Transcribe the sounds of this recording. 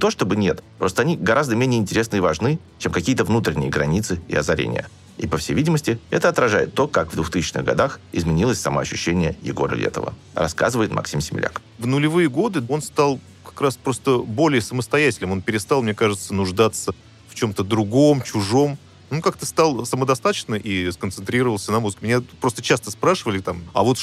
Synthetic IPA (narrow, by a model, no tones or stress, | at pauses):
t̪o̞ʂt̪obɨnʲe̞t̪pɾo̞st̪əɐnʲiɡɐɾʔazd̪əmʲenʲɪjəɪnʲtʲɪɾʲe̞snɨivɐʐnɨ | t͡ɕemkɐkʲijət̪əvnut̪ɾʲɪnʲɪ̰jəɡɾɐnʲit̪sɨɪ̰ɐzɐɾʲḛnʲɪ̰jə̰ | ipəfsʲejvʲidʲɪməsʲtʲɪɛt̪əɐt̪ɾɐʐajɪt̪ːo̞kakvd̪vʊxt̪ɨsʲɪt͡ɕnɨ̰ɣɡɐ̰d̪axɪ̰zmʲɪnʲilˠəsʲsɐmoɐɕːʉɕːenʲɪjəjɪ̰ɡo̞ɾə̰lʲḛt̪ə̰və̰ | rɐ̰ska̰zɨvəɪt̪mʔɐ̰ksʲimsʲɪmʲɪlʲa̰k | vnʊlʲɪvɨjəɡo̞d̪ɨo̞nst̪ɑlˠ | kɐ̥kɾaspɾo̞st̪əbo̞lʲɪjəsəməst̪ɐjætʲɪlʲnɨmo̞npʲɪɾʲɪst̪ɑlˠmnʲe̞kaʐɨt̪sənʊʐd̪at̪sə | ft͡ɕo̞mt̪əd̪ɾʊɡo̞mt͡ɕʊʐo̞m | onkakt̪əst̪ɑlˠsəməd̪ɐst̪at̪ət͡ɕnəʔiskənt̪sɨnt̪ɾʲiɾəvəlˠsʲənɐmuzɨkʲəmʲɪnʲapɾo̞st̪ət͡ɕast̪əspɾaʂɨvəlʲɪt̪amɐ̰vo̞t̪